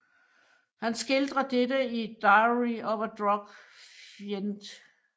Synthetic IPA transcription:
hænsɡ̥e̝ld̥ʁɐd̥edəid̥ɑɪʁiɒʋɐd̥ʁɒ̽ɡ̥fjend̥

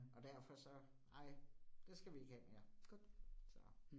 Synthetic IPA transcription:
ɒ̽d̥æɐfɒ̽sɒ̽ | ɑ̈ɪ̰d̥e̝sɡ̥æʋie̝ɡ̥hɛme̝ːɐ | sɒ

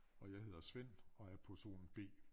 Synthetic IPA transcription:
ɒ̽jäɪɦe̝ð̰ˠɐsʋen̰ɒ̽æɐpʰɒ̽so̝̰ːln̩b̥e̝̰ː

